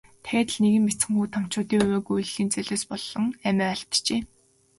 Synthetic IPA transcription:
t̪ʰææːt̪ə̆ɮneɣɘ̆ŋmet͡sɘ̆ŋuːt̪ʰam̥t͡ɕʊːt̪iːŋeːɡujɮɮiːnt͡sœɮoːspɔɮɞ̆ŋæmʲæːaɬt̪t͡ɕeː

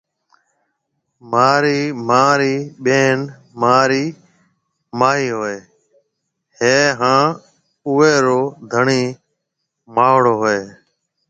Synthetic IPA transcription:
maːɾiːmaːɾiːɓeːn | maːɾiː | maːɦiːɦoːeː | ɦeːɦãː | ʊeːɾoːd̪ʱəɳiː | maːʋɽoːɦoeː

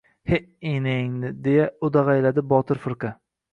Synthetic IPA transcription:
heʔenɪŋd̪ɪd̪e̞jaʊd̪aʁajlad̪ɪbɒt̪ʰɪɾfɪɾqa

